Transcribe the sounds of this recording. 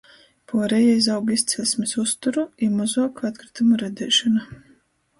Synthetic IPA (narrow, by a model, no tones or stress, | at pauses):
pɔːɾɛjajs̬awɡist̪sɛlʲsmʲisust̪uɾuimuzuɔkat̪kɾi̥t̪umuɾɛd̪ʲɛːʃɔna